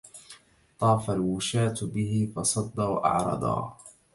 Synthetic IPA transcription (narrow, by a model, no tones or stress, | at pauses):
t̪ˤɑːfalwʊʃaːt̪bɪhɪfɑsˤɑd̪ːɑːwaʔɑ̰ʕɾˤɑ̰d̪ˤɑ̰ː